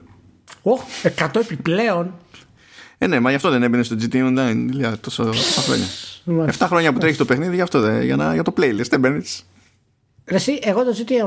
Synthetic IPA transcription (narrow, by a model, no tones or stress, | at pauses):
oxekat̪oepiple̞on | enemɐʝɐft̪oðe̞nebinest̪o̞d͡zit̪ionlajniliɐt̪o̞soosɐxɾo̞̰ɲɐ̰eft̪ɐxɾo̞ɲɐput̪ɾeçist̪o̞pe̞xniðiʝɐft̪o̞ðeʝɐ̰nɐʝɐt̪o̞plejlist̪ðebenis | ɾesiʔeɣot̪ozit̪i